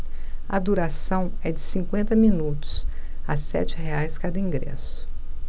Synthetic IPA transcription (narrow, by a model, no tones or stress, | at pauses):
ɐd̪uɾasɐ̃w̃ɛd͡ʒɪsĩŋkwẽnt̪ɐmĩnut̪ʊ̥s | asɛ̰t͡ʃɪɦeajskad̪ɐĩŋɡɾɛ̰sʊ̥